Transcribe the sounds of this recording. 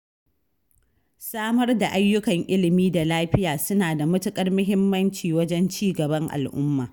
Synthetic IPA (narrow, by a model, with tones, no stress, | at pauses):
saː˦mɐ˦rda˨ʔa˦jːʊ˦kɐ˨ŋʔɪ˦lɪ˨miː˦da˨laː˦ɸɪ˦jaː˨sʊ˦naː˨da˨mʊ˦tʊ˦kʼɐ˦rmʊ˦ɦɪ˦mːɐ˦nt͡ʃiː˨wɐ˦d͡ʒɛ˦nt͡ʃiː˦ɡɐ˨bɐ˦ŋʔa̰˨lʔʊ˦mːaː˨